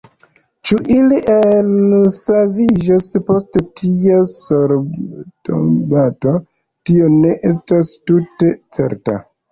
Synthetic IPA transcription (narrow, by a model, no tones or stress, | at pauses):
t͡ʃuʔiliʔelsavid͡ʒaspo̞stetʰiasoɾto̰bato | tio̞ne̞ʔestastute̞t͡se̞̰ɾta̰